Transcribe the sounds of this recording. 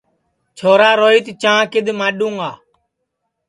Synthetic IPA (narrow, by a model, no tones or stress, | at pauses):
t͡ʃʰoːɾaːɾoːiːt̪t͡ʃãːkɪd̪maːɗũːŋɡaː